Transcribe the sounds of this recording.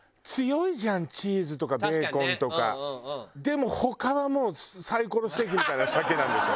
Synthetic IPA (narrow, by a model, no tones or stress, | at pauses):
t͡sɨjo̞iʑãɲ̟t͡ɕiːzɨt̪o̞kabeːkõ̞nt̪o̞ka̰d̪e̞mo̞ho̞kaβamo̞ːsaiko̞ɾo̞si̥t̪e̞k̬ʲimʲit̪ainasakenãnd̪esɨo